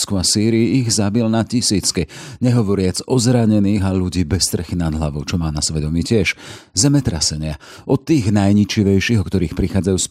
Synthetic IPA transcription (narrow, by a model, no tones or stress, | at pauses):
skuasiːɾiiiɣzabilnacisiːt͡skiɲɛɦɔʋɔɾɪad͡zɔzɾaɲɛniːɣaʎuɟiːbɛst̪ɾrɛxinad̪ɦlaʋɔʊt͡ʃɔmaːnasʋɛd̪ɔmiːcɪɛʃzɛmɛt̪ɾa̰sɛɲɪa | ʔɔt̪ːiːɣnajɲit͡ʃiʋɛjʃiːɦɔkt̪ɔɾiːxpɾixaːd͡zajuːs